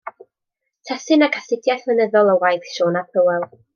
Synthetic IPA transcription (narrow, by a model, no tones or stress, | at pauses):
tʰasɨnakʰasɪdjaɬvənəðɔlˠəwajθʃoːnapʰəwɛlˠ